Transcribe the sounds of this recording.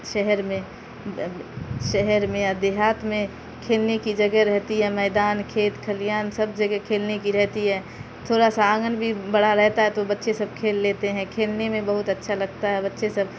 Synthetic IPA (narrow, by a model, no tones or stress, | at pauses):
ʃɛɦɛɾmẽ | ʃɛɦɛɾmẽɐd̪eɦaːt̪mẽ | kʰeːlnekid͡ʒɐɡɛɾɛɦt̪iɦɛmɛːd̪aːnkʰeːt̪kʰəlijaːnsɐbd͡ʒɐɡɛkʰeːlnekiɾɛɦt̪iɦɛː | t̪ʰoːɾasaaːɡənbʱibɐɽaɾɛɦt̪aɦɛt̪obɐtːʃesɐb̚kʰeːlːeːt̪eɦɛ̃kʰeːlnemẽbɐɦʊt̪ɐtːʃʰalɐɡt̪aɦɛbɐtːʃesɐb